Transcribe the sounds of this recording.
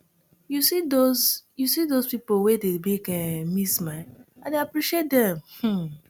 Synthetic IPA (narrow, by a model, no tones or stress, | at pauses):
jusidozjusidozpipowedebekɛ̃mismaɪãdeapɾiʃiet̚dɛ̃mh̩